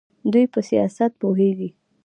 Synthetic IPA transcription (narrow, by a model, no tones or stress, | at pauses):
d̪ujpəsijɑ̰sat̪̚poɦeɡi